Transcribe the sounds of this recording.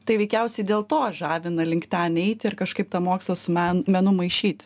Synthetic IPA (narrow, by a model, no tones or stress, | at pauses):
t̪ɐɪʋʲɛɪkʲɛʊsʲɛɪd̪ʲeːlˠt̪oːʒɑːʋʲɪnɐlʲɪŋkt̪ʲæːnʲɛɪt̪ʲɪrkɐʃkɐɪpt̪ɐmoːkslˠɐsʊmʲæmʲɛnʊmɐɪʃʲiːt̪ʲ